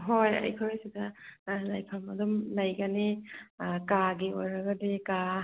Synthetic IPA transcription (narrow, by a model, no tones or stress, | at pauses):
ɦojɐ̰jkʰɔɾajsidɐlajpʰamɐ̰dumlɐjɡɐni | kaɡiojɾɐɡɐdeka